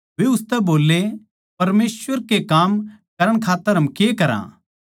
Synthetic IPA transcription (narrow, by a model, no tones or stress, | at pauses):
ʋeʊst̪ɛboːlːe | pɐɾmeːsʋəɾkekaːmkɐɾəɽ̃kʰaːt̪ːəɾɦɐmkekɐɾã̰ː